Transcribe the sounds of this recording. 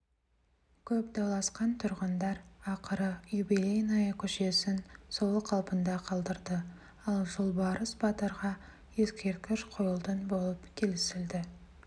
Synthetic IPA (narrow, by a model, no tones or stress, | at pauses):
kʲʰɵpd̪ɑlˠɑsqɑnt̪ʰʊɾʁənd̪ɑɾɑqəɾəjjubilʲejnɑjəkʲʰʏʃe̞sɪnsolˠəqʰːɑlˠpənd̪ɑqʰɑlˠd̪əɾd̪ə | ɑlˠʒʊlˠbɑɾəsbɑt̪əɾʁɑ | e̞skʲe̞ɾt̪̚kʲɪʃqʰojəlˠd̪ənbo̞lˠəpkʲʰe̞lɪsɪld̪ɪ